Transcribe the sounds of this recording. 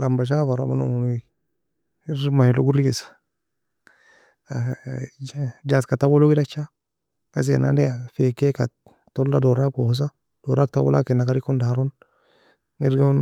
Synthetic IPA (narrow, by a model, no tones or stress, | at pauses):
lambaʃ̬afaɾamano̰muni | iɾmaloɡuɾiɡisḁ | d͡ʒatkatawoloɡidat͡ʃa | kas̬ḛna̰ndeafekeka | toldadoɾakos̬a | d̥oɾak̚tawo̰la̰kinakaɾikundaɾun | iɾɡ